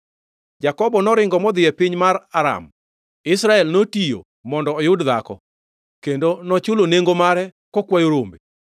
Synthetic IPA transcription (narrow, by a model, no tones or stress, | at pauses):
d͡ʒakɔbɔnɔɾɪŋɡɔmɔd̪ɪɛpɪɲmaraɾa̰m | ɪsɾaɛlnotijo̰ | mɔndɔːjʊdd̪akɔ̰ | kendonɔt͡ʃʊloneŋɡomaɾɛ | kɔkwajoɾombe